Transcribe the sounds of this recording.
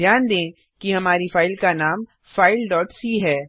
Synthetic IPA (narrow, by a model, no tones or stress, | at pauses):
jaːnd̪ẽː | kiɦɐmaːɾifaːɪlkanaːm | faːɪlɖɔːʈsiːɦɛː